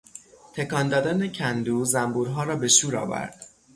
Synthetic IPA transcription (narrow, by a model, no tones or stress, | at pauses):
t̪ʰe̞kɒnd̪ɒːd̪ænecʰænd̪uːzæmbuːɾɦɒːɾɒːbe̞ʃuːɾɒ̰ːvæ̰ɾd̪̥